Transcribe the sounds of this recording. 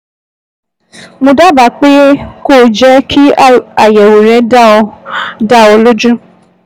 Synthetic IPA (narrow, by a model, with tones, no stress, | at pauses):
mõ˧da˦ba˨k͡pe˦ko˦˨d͡ʒɛ˦kʰi˦a˨jɛ˨wo˨ɾɛ˨˦d | da˦o˧lo˦d͡ʒũ˦